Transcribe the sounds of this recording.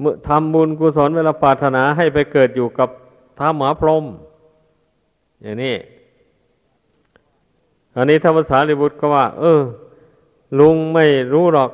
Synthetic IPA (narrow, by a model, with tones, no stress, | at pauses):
m˧t̪ʰa˧mbu˧nkuː˧sɔː˨˦nweː˧laː˧˩pʰɾaː˨˩t̪ʰːa˧naː˩˦ɦa˥˩jpa˧jkɤː˨˩t̪̚juː˨˩ka˨˩p̚ | t̪ʰaː˧˥mhaː˨˦pʰlo˧m | jaː˨˩ŋniː˧˥˩ | ʔa˧nːiː˦˥˩t̪ʰaː˥˩pa˧nsaː˨˦˥li˧˩bu˧˩t̪̚kʰɔː˥˩waː˧˩ʔɤː˧˩ | lu˧ŋma˥˩jɾuː˦˥ɾɔː˨˩k̚